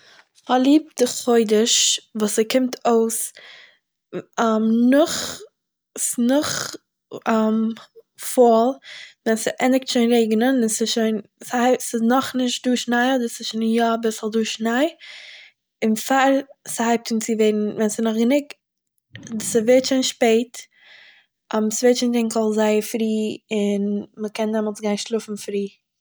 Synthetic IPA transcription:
halˠiːp̚d̥ɪχoɪdəʃvuːsɪkɪmtʰoʊs | amnʊχ | nʊχ | am | fɔlˠvɛnsɪʔɛnɪk̚tʃoɪnɾeɪɡnənɪnsɪʃoɪnsasɪnɔχnɪʃt̚duːʃnaɪɔdəɾsɪsʃonjɔbɪslˠduːʃnaɪ | ɪnfaɾshaɪp̚tint͡sɪveɪɾn̩vɛnsɪnɔχɡənɪk̚ | dsɪveːtʃoɪnʃpeɪt | amsveːt͡ʃɪntɪŋkɔlˠzaɪəfɾiːɪnməkɛndɛmɔlˠsɡaɪnʃlˠʊfn̩fɾiː

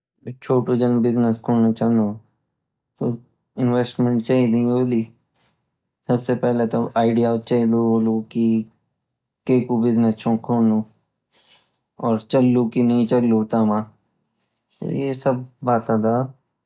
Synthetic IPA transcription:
t͡ʃʰoːʈod͡ʒɐnbɪznəskʰõːnnat͡ʃãːnd̪o | t̪o | ɪnʋeːsʈmɛ̃ɳʈt͡ʃaːɦid̪ĩɦoːliː | sɐbsepɛɦlet̪oʔaːɪɖijat͡ʃaːiluɦoːluki | keːkubɪznəst͡ʃʰõkʰoːnu | ɔːɾt͡ʃɐlːukinɐɦĩt͡ʃɐlːut̪amãː | t̪o̰jesɐb̚ːaːt̪ãd̪aː

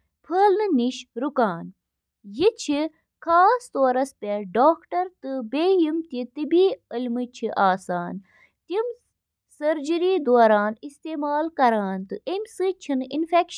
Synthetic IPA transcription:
pʰəːlnɨniʃɾukaːn | jit͡ʃʰi | kʰaːst̪oːɾɐspʲeɖoːkʈɐɾt̪ɨbeːjimt̪it̪ibiːəlʲmɨt͡ʃʰiʔaːsaːn | t̪im | sɐɾd͡ʒiɾiːd̪oːɾaːnist̪eːmaːlkɐɾaːnt̪ɨʔimʲsɨt͡ʃʰininfekʃ

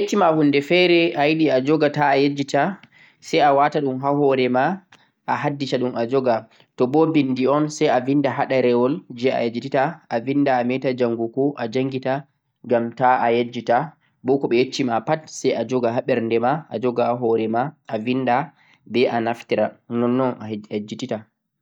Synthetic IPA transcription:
jet͡ʃːimahunːdɛfɛɾɛʔajiɗiad͡ʒɔɡataːjed͡ʒːita | sɛjawataɗumɦaɦɔɾɛma | ʔaɦadːitaɗumad͡ʒɔɡa | tɔbɔbindiɔnsɛjavindaɦaɗaɾɛwɔld͡ʒɛa̰jad͡ʒititaʔavindaːmɛtad͡ʒaŋɡukuʔad͡ʒaŋɡita | ŋɡamtaʔajad͡ʒːita | bɔkɔɓɛjet͡ʃːimapatsajad͡ʒɔɡaɦaɓɛɾndɛmaʔa̰d͡ʒɔɡahaɦɔɾɛmaʔavinda | bɛʔanaftiɾanɔnːɔnaad͡ʒitita

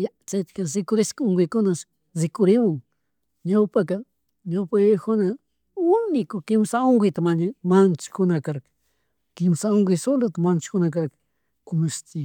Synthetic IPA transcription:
jat͡ʃat͡ʃ̪kasɪkʊɾɪskoŋɡɪjkʊnas | zɪkʊɾɪmʊŋ | ɲawpaka | ɲawpajajkʊna | ʊnɪkʊkɪmsaoŋɡɪjt̪amaɲamant͡ʃɪ̥kʊnakaɾkḁ | kɪmsaoŋɡɪsold̪at̪amant͡ʃɪ̥kʊnakaɾkḁ | kʊmaʃt̪ɪ

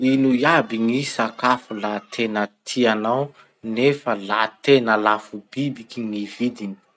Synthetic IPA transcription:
inujabiŋisakafulat̪ʰenət̪ʰianaw | nefəlat̪enəlafub̥ibikiŋivid̪ini̥

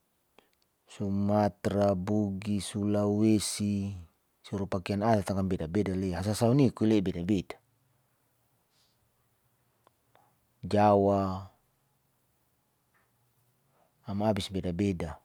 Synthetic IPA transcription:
sumat̪ɾabuɡisulawesi | suɾupakeanadat̪aŋkambɛdabedaleas̬asaunikuilebɛdabeda | d͡ʒawa | amaabisbɛdabeda

